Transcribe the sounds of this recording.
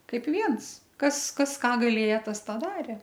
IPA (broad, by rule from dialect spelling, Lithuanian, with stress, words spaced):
ˈkɐɪp ˈʋʲiɛns ˈkɐs ˈkɐs ˈkɑː ɡɐˈlʲeːjɛ ˈtɐs tɑː ˈdɑːrʲeː